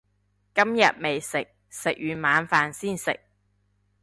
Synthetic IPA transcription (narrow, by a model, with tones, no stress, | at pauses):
kɐ˥mjɐ˨t̚me˨jsɪ˨k̚ | sɪ˨k̚ɥyː˨˧maː˨˧nfaː˨˧nsiː˥˩nsɪ̰˨k̚